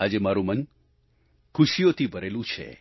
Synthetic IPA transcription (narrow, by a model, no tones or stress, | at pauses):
ad͡ʒemaɾumən | kʰuʃijot̪ʰibʱəɾelũt͡ʃʰḛ